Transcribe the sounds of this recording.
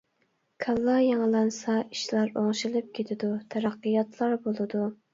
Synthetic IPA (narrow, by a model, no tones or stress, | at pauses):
kʰɑlˠːɑjeŋlˠɑnsɑiʃlˠɑɾoŋʃilˠɨp̚kʲʰet̪ʰɪd̪ut̪ʰæɾɑqːɨjɑt̪ʰlˠɑɾbolˠɨd̪u